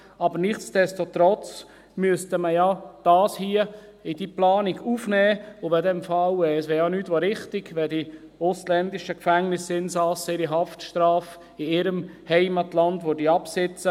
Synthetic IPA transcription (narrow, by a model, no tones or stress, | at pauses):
ɑbəɾnɪχt͡sd̥ɛstot̪ɾɔt͡s | myəstəməjad̥ɑːshiə | ɪd̥iplɑːniɡufnɛːʊʋɛdɛmfɑlɛsʋɛːjɑnyːtʋoɾɪχtɪɡʋɛldi | oslɛndɪʃəkfæŋnɪsɪnsɑsɪɾiɦɑftʃtɾɑːf | ɪɪɾəmhɛɪmɑtlɑndʋodiɑpsɪt͡sə